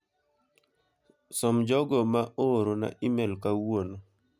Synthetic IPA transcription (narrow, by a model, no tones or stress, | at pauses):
sɔmd͡ʒɔɡɔmaʔoɾona̰ʔimelkawono